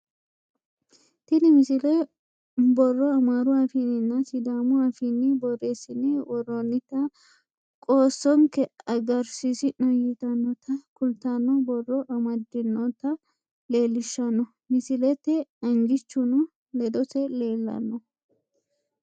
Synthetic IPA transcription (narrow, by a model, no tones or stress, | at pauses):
t̪ɪnɪmɪsɪlɛ | bɔrːɔɐmaɾʊafinɪnːɐsɪd̪aːmʊafinːɪbɔrːeːsɪnɪwɔrːɔnːɪt̪ːɐ | kʼoːsːɔŋkɛɐɡɐɾsisɪnɐjɪt̪ɐnːɔt̪ɐkʊlt̪anːɔbɔrːɔʔɐmɐd̪ɪnːɔt̪ɐ | le̞ːlːɪʃːɐnːɔ | mɪsɪlɛt̪ːɛɐŋɡɪt͡ʃːʊnʊ | lɛd̪ɔsɛle̞ːlːɐ̰nːɔ